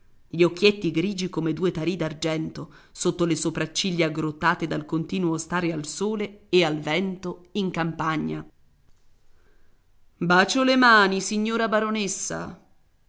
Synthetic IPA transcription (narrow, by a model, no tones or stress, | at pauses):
ʎiok̟ːjet̪ːiɡɾiːd͡ʒikomed̪uːet̪aɾiːd̪ard͡ʒɛnt̪osot̪ːolesopɾat͡ʃːiʎːaaɡɾot̪ːaːt̪ed̪alkont̪iːnuost̪aːɾealsoːleːalvɛnt̪oiŋkampaɲːa | baːt͡ʃolemaːnisiɲːoːɾabaɾonesːa̰